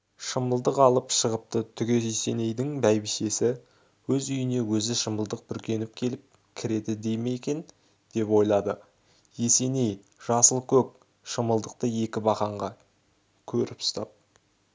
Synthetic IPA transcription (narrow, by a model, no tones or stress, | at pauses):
ʃəməlˠd̪əqɑlˠəpʃəʁəp̚t̪ət̪ʰʏɡʲe̞ese̞ne̞jd̪ɪŋbæjbiʃe̞sɪ | wɵzʏjɪne̞wɵzɪʃəməlˠd̪əq̚bʏɾkʲʰe̞nɪp̚kʲʰe̞lɪp̚ | kʲʰɪɾe̞d̪ɪd̪e̞jme̞jkʲe̞n | d̪̥e̞pwo̞jlˠɑd̪ə | je̞se̞ne̞j | ʒ̥ɑsəlˠkʲʰɵp̚ | ʃəməlˠd̪əq̚t̪əje̞kʲɪbɑχɑɴʁɑ | kʲʰɵɾɪpst̪ɑ̰p̚